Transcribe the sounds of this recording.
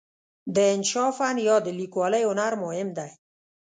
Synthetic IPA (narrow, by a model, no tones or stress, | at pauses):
d̪əːnʃɔfanjɔd̪əlikwɔleʊnaɾmoɦɪmd̪aj